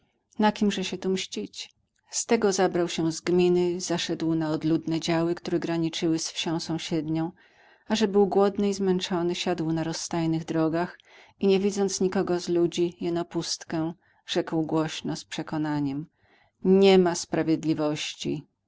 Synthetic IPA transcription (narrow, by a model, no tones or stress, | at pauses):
nakʲimʐɛɕɛt̪umɕt͡ɕit͡ɕ | st̪ɛɡɔzabɾawɕɛzɡmʲinɘz̥aʂɛd̪wnaɔd̪lud̪nɛd͡ʑawɘkt̪uɾɛɡɾaɲit͡ʂɘwɘsfɕɔ̃w̃sɔ̃w̃ɕɛd̪ɲɔ̃w̃ | aʐɛbɘwɡwɔd̪nɘizmɛnt͡ʂɔnɘɕad̪wnaɾɔsːt̪ajnɘɣd̪ɾɔɡaxiɲɛvʲid̪zɔnt̪sɲikɔɡɔzlud͡ʑijɛnɔpust̪kɛ̃ | ʐ̥ɛkwɡwɔɕnɔspʂɛkɔnaɲɛm | ɲɛmaspɾavʲjed̪lʲivɔɕt͡ɕḭ